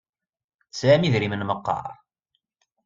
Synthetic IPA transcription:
sæmiðɾimənməqːɑ̰ɾˤ

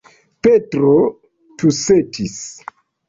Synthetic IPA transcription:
petɾo | tusetʰis

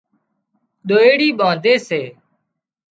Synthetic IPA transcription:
ɗoːeːɽiːɓaːd̪eːseː

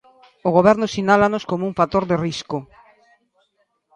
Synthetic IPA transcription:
oɣ̞oβɛɾnʊsinalanoskomouŋfat̪oɾðeriskʊ

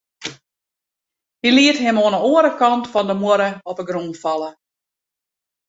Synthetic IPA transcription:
hiliətɦɛmoːnəoːəɾəkɑntfɔndəmoəɾəɔpəɡronfɑlˠə

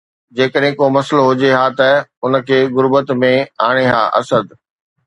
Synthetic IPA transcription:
d͡ʑeːkəɗɦẽkoːmɐsloɦʊd͡ʑeɦaːt̪ɐʊnə̆kʰeːɣʊɾbət̪mẽaːɽ̃eɦa̰ːʔɐ̰səd̪

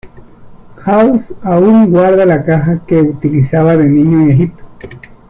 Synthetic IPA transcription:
xausauŋɡwaɾðalakaɦakeut̪ilisaβaðeniɲoeɦip̚t̪o̥

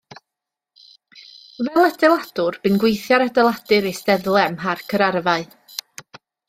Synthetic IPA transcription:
vɛlˠədɛlˠad̥ʊrb̥ɨnɡwejθjaɾadɛlˠad̥ɨɾejstɛðlˠɛmɦarkʰəɾarvaɨ

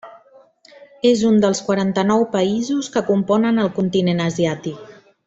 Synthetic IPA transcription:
ezund̪əlˠskwaɾant̪ənɔwpəizuskəkumpɔnənəlˠkunt̪inenəziat̪ik

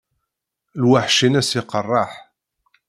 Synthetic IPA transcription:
lwaħʃinæsiqərˤːɑħ

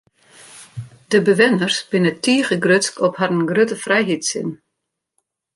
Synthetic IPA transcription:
d̥əbəʋɪnərsb̥ɪnətʰiːχəɡrøtskɔpharənɡrøtəfrɛjɦitsɪ̰n

